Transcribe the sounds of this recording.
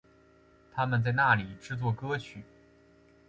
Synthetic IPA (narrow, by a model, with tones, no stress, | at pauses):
t̪ʰa˥mə˨nt͡sa˥˧ɪna˥˩li˨˩ʈ͡ʂɻ̩˥˧t͡swɔ˥˩kɤ˥t͡ɕʰy˨˩˦